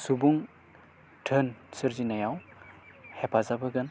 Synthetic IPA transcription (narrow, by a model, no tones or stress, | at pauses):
subuŋ | tʰənsɯɾzinajaw | hepʰazabɯɡɯn